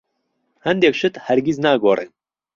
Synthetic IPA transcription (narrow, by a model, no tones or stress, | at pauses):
hɐnd̪eːkʃɨt̪hæɾɡiznaːɡoːrʔen